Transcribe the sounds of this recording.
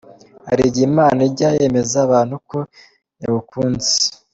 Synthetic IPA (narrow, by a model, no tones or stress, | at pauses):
haɾiɟimaːnaiɾɟaje̞ːme̞zaβaːn̥huko̞ | jaβukuːnze̥